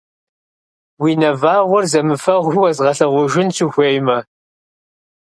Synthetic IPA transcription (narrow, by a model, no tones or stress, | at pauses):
wiːnɐvaːʁʷʊrzɐmɨfɐʁʷuwɐzʁɐɬɐʁʷʊʒɪnsʰuxʷeːjmɐ